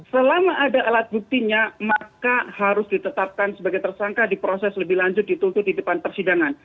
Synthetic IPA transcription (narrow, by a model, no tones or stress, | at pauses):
səlamaʔːdaʔalat̪̚buk̚t̪iɲamakahaɾʊsdit̪ət̪ap̚kansəbaɡajt̪ərsaŋkadipɾosɛsləbɪhlaɲd͡ʒʊt̪̚dit̪ult̪ʊt̚didəpanpərsidaŋan